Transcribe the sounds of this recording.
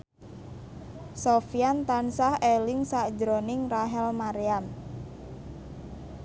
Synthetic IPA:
sofiant̪ansahelɪŋsḁd͡ʒɾonɪŋraɦɛlmaɾiam

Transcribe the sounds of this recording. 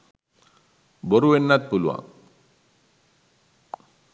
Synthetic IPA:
boɾuʋenːat̪̚puluʋa̰ŋ

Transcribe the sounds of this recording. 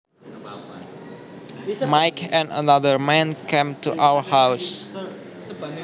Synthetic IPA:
majkʰɛ̃nə̰naðəɹmɛ̃nkʰẽmtuʔawə˞haws

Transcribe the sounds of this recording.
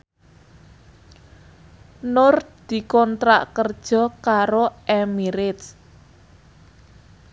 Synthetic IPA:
nʊrd̪̥i̤kɔnt̪ɾaʔkərd̥ʒ̥ɔ̤kaɾoʔɛmiɾɪt̪s

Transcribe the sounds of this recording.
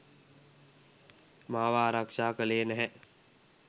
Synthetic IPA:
maːʋaːɾakʃaːkəleːnɛɦɛ̃

